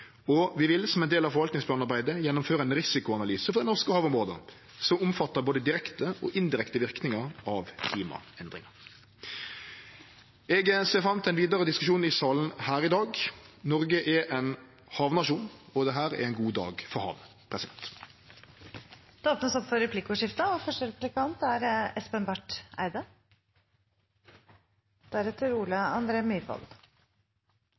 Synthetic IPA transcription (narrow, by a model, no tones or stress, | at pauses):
ɔʋɪʋɪlsɔmɛnd̪eːlɑʋfɔɾʋɑlt̪nɪŋsplɑːnɑɾbæɪd̪əjɛnːʊmføːɾəɛnɾɪsɪkʊɑnɑlyːsəfɔɾd̪ɛnɔʁʂkəhɑːʋʊmʁoːd̪ə̰ | sɔmʊmfɑt̪ːəboːd̪əd̪ɪɾɛkt̪əʔɔ̰ʔɪnd̪ɪɾɛkt̪əʋɪʁknɪŋɑɾɑʋkʰliːmɑ̰ɛnd̪ɾɪ̰ŋɑɾ | ɛɡəseːʁfɾɑmt̪ʰɛɪnʋiːd̪əɾəd̪ɪskʉʃuːnɪsɑːln̩hæːɾɪd̪ɑːɡnɔʁɡəʔɛɾʔɛn | hɑːʋnɑʃuːnɔd̪ɛɦæːʁɛ̰ɾɛɪnɡuːd̪ɑ̰ːɡfɔhɑ̰ːʋ | pʰʁɛsɪd̪ɛnt̪ | d̪̥ɛoːpnəsɔpfɔɾɛpʰlɪkːʊʂɪft̪əɔfœʂʈəɾɛplɪkʰɑnt̪æɾɛspɛnbæʈːæ̰ɪd̪ə | d̪̥æɾɛt̪ʰːəɾuːləɑnd̪ɾeːmyːɾʋɑ̰ld̪